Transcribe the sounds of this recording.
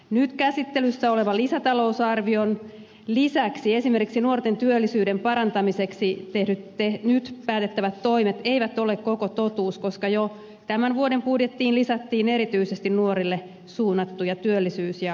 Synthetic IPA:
nyt̪kæsit̪ːelysːæoleʋɑlisæt̪ɑlo̞usɑrʋion | lisæksie̞sime̞rkiksinuort̪ent̪yølːisyːdempɑɾɑnt̪ɑmiseksit̪ehdyt̪enyt̪pæːt̪et̪ːæʋæt̪ːoimet̪eiʋæt̪olekkokot̪ot̪uːskoskɑjo | t̪æmænʋuodempudjet̪ːiːnlisæt̪ːiːne̞ɾit̪yisest̪innuoɾilːe | suːnːɑt̪ːujɑt̪yølːisyːsjɑ

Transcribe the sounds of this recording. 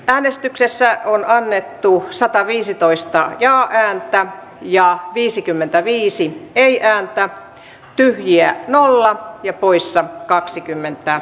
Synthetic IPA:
ʔæːnest̪yksesːæonɑnːet̪ːusɑt̪ɑʋiːsit̪oist̪ɑjɑːʔæːnt̪æ | jɑʋiːsikymːent̪æʋiːsieiʔæːnt̪æ | t̪yhjiænolːɑjɑpoisːɑkɑksikymːent̪æ

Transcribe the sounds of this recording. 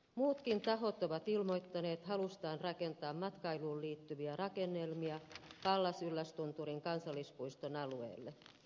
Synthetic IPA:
muːt̪kint̪ɑɦo̞t̪oʋɑt̪ilmo̞jt̪ːɑne̞ːt̪ɦɑlust̪ɑːnrɑke̞nt̪ɑːmmɑt̪kɑjluːlliːt̪ːyʋiærɑkenːelmiɑʋɑlːɑsylːæst̪unt̪uɾiŋkɑnsɑlːispuist̪onɑluḛːlːe

